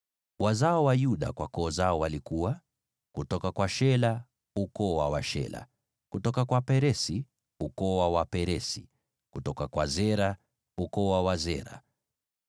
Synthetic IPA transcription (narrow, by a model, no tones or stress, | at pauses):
wazaɔwajuɗa̰kwakɔːzaɔwalikuwa | kutɔkakwaʃɛla | ukɔwawaʃɛ̰la̰ | kutɔkakwapɛɾɛsi | ukɔwawapɛɾɛsi | kutɔkakwazɛɾa | ukɔwawazɛ̰ɾa̰